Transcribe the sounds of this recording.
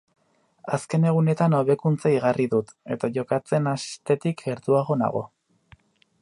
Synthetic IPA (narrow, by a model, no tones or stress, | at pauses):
aske̞ne̞ɣ̞une̞t̪ano̞βe̞kunt͡saiɣ̞ariðut̪e̞t̪aʝo̞kat͡se̞nast̪e̞t̪ikɡe̞ɾt̪uaɣ̞o̞na̰ɣ̞o̞̰